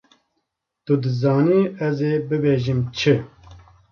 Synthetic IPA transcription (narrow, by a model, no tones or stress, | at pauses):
t̪ud̪ɨzɑːniːɛzeːbɨbeːʒimt͡ʃʰɨ